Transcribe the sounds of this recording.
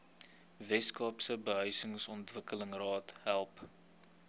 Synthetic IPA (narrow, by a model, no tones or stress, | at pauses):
vɛskɑːpsəbəɦœɥsəŋsɔntvəkələŋrɑːtɦælˠp